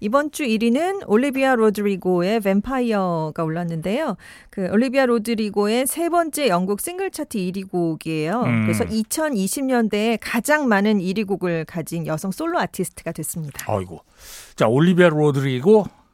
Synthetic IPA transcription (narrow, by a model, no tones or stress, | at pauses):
ibʌnt͡ɕ͈uiɾinɯnoʎːibiaɾodɯɾiɡoe̞be̞mpʰaiʌɡaoɭːanːɯnde̞jo | kɯoʎːibiaɾodɯɾiɡoe̞sʰe̞bʌnt͡ɕ͈e̞jʌŋɡuk̚s͈iŋɡɯɭt͡ɕʰatʰɯiɾiɡuɡie̞jokɯɾe̞sʰʌ̰ʔit͡ɕʰʌniɕʰimɲʌnde̞ekad͡ʑaŋmanɯniɾiɡuɡɯɭkad͡ʑinjʌsʰʌŋs͈oɭːoatʰisʰɯ̥tʰɯɡadwe̞s͈ɯmɲid̥aaʌ̰iɡo̰ | t͡ɕaoɭːibiaɾodɯɾiɡo